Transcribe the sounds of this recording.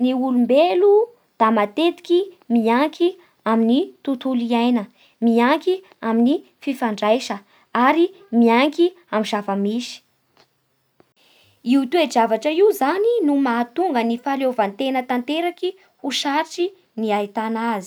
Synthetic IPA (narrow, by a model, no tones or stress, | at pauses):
niulumbelu | d̪̥amat̪et̪i̥kimiaŋkʰi | aminit̪ut̪uliajnə | miaŋki | amini | fifaɳɖ͡ʐajʃə | aɾi | miaŋki | amizavəmisi̥ | iut̪ued͡ʒavaʈ͡ʂəiuzaninumaːt̪uŋɡənifalovant̪enət̪ant̪eɾaki | uʃaʈ͡ʂi | niait̪anazi̥